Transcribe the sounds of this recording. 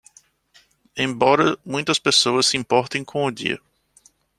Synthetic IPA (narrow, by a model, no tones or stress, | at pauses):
ẽbɔɾɐmũj̃t̪ɐspesoɐsːɪĩmpɔɾt̪ẽj̃kʰõʊdḭɐ̰